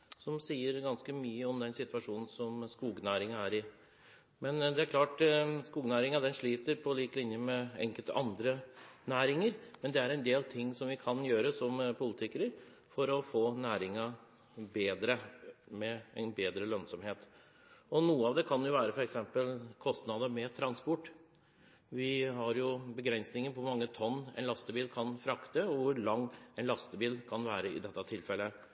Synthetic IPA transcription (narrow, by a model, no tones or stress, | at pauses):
sɔmsiːəɾɡɑnskəmyːəɔmd̪ɛnsɪt̪ʋɑʂuːnn̩sɔmskuːɡnæːɾɪŋɑæːɾɪ | mɛnd̪ɛæɾkʰlɑːʈskuːɡnæːɾɪŋɑd̪ɛnʂɭiːt̪əɾpʰɔliːklɪnjəmɛɛ̰ŋkəlt̪əʔɑnd̪ɾənæːɾɪŋəɾmɛnd̪ɛæɾɛnd̪eːlt̪ʰɪŋːsɔmʋɪkʰɑnjøːɾəsɔmpʰʊlət̪ʰɪkəɾəɾ | fɔɾɔfoːnæːɾɪŋɑ | beːd̪ɾəmɛɛɪnbeːd̪ɾəlœnsɔmheːt̪ | ɔnuːəɑʋd̪ɛkʰɑnjʊʋæːɾəfɔɾɛksɛmpəlkʰɔst̪nɑd̪əmɛt̪ʰɾɑnspɔʈː | ʋɪɦɑɾjʊbəɡɾɛnsnɪŋənpʰɔmɑŋːət̪ʰɔnːɛ̰nlɑst̪əbiːlkʰɑnfɾɑkt̪əɔʋʊɾɭɑŋːɛnlɑst̪əbiːlkʰɑnʋæːɾəɪ̰d̪ɛt̪ːɑt̪ʰɪlfɛlːə